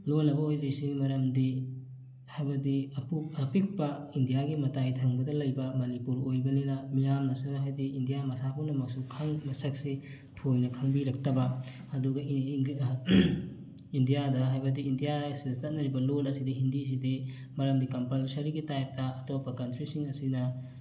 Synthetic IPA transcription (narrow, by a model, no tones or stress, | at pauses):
lonːɐbɐojɾisimɐɾɐmdi | hajbɐdiɐpuɐpik̚pɐindijaɡimɐtajtʰɐŋbɐdɐlɐjbɐmɐnipuɾojbɐninɐmijamnɐsuɦajdiindijamɐsapʰuwnɐmɐk̚sukʰɐŋmɐsɐk̚si | tʰojnɐkʰɐŋbiɾɐk̚tɐbɐ | ɐduɡɐ | indijadɐɦajbɐdiːndijasiɐstɐt̚nɐɾibɐlolɐsidiɦindis̬idi | mɐɾɐmdikɐmpɐlsɐɾiɡitajp̚tɐɐtopːɐkɐntɾisiŋɐsinɐ